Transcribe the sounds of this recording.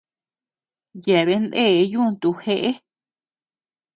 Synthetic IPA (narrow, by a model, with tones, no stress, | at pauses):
je˨βe˧˦nd̪e˦˨˦jũ˦˧nt̪u˧xe˧ʔe˦